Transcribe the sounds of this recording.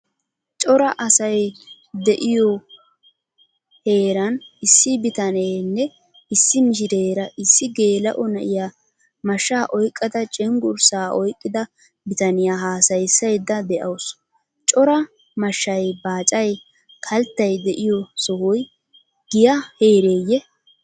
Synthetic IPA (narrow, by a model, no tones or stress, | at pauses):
t͡ʃʼɔɾɐʔɐsɐj | d̪ɛʔɪjɔ | heːɾɐnɪsːɪbɪt̪ɐnejnːɛ | ɪsːɪmɪʃ̬ɪɾeːɾɐʔɪsːɪɡe̞ːlɐʔɔnɐʔɪja | mɐʃːaːʔɔjkʼːɐd̪ɐt͡ʃʼɛŋɡʊɾsaːʔɔjkʼːɪd̪ɐ | bɪt̪ɐnɪjaːɦaːsɐjsːɐjd̪ːɐd̪ɛʔɐws | t͡ʃʼɔɾɐ | mɐʃːɐjbaːt͡ʃʼɐj | kʰɐlt̪ːɐjd̪ɛʔɪjɔsɔhʊj | ɡ̥ɪjaheːɾe̞ːjːɛ